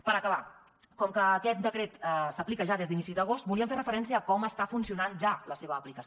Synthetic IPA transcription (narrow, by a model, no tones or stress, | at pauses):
pəɾəkəβa | kɔmkəːkɛt̪̚d̪əkɾet̪səplikəʒaðezðinisizd̪əɣ̞ost̪̚buliəmɱferəfəɾɛns̬iəːkɔməst̪afunsiunanʒaləseβəːplikəs